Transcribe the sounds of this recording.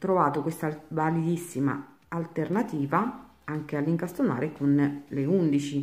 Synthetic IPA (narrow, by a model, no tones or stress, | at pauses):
t̪ɾovaːt̪okwest̪avalid̪isːima̰ː | lt̪ernat̪iːva | aŋk̟ealːiŋkast̪ona̰ːɾekonleund̪it͡ʃi